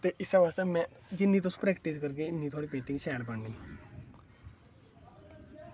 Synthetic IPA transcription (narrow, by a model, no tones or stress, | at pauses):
t̪eʔisaʋast̪amɛ | d͡ʑinːit̪ʰospɾɛkʈiskəɾk̬enːiːt̪ʰoɽipet̪ĩŋɡɕajɽpaɳni